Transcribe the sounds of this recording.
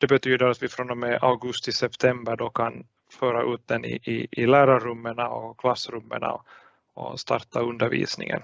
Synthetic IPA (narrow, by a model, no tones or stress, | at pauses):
d̪̥ɛbɛt̪ʰyːd̪əɾat̪vɪfɾɔnd̪ɔmɛʔaʊɡɵst̪ɪsɛpt̪ʰɛmbəɾɖɔkʰan | føːɾaʔʉ̟ːt̪̚d̪ɛnɪ̰ʔɪɪlæːɾaɾɵmːənaɔ̰kʰlasːɾɵmːə̰na̰ɔ | ɔ̰st̪ɑɾt̪aɵnd̪əɾvḭːsnɪ̰ŋə̰n